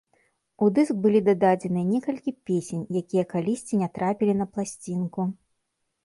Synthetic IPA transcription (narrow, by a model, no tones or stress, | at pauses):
ud̪ɨsk̚bɨlʲid̪ad̪ad͡zʲɛnɨjɐnʲɛkɐlʲkʲipʲesʲenʲjakʲijɐkalʲisʲt͡sʲinʲɛt̪ɾapʲilʲinɐplˠasʲt͡sʲinku